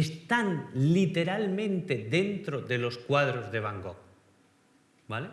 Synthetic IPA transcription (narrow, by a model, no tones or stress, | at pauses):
est̪anlit̪e̞ɾalmẽ̞nt̪eðe̞nt̪ɾoðe̞lo̞skwaðɾozðeβ̞aŋɡok̚ | bale